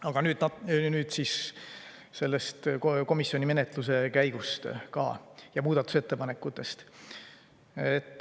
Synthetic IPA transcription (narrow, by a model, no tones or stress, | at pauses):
ɑɡ̥ɑnyːd̪nyːd̪̥sis | se̞lːest̪ko̞misjo̞nʲime̞net̪ˑluse̞kæjɡ̥ust̪kɑ̰ːjɑmuːd̪ɑt̪ːˑu̥se̞t̪ːe̞pɑne̞kːˑut̪ːˑe̞st̪ | et̪ːˑ